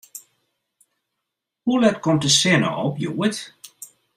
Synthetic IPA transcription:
hulɛtkɔmtəsɪnə̰ʔɔpjuːət

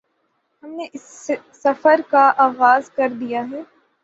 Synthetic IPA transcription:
hɐmneʔɪsː | ɐfəɾkaʔaːɣaːzkɐɾd̪ijaɦɛː

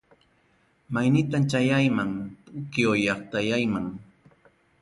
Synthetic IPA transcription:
majnɪt̪amt͡ʃajajmaŋt̪ʊkɪojɑχt̪ajajmaŋ

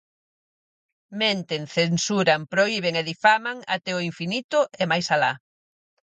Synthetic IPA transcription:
mẽnt̪eŋθensuɾampɾoiβ̞eŋeðifamaŋa̰t̪ɛoiɱfinit̪ʊemajsala

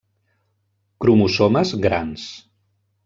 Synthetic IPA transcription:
kɾumusɔməzɣɾans

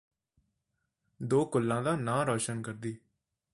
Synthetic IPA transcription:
d̪oːkʊlːãːd̪aːnãːɾɔːʃənkəɾd̪iː

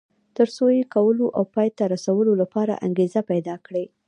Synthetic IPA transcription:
t̪əɾsojekawəloʔawpɑjt̪aɾasawəlolapɑɾa̰ʔa̰ŋɡezapajd̪ɑkɽe

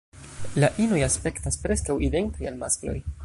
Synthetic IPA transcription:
laʔinojaspe̞ktaspɾe̞skawide̞ntajalmasklo̞̰j

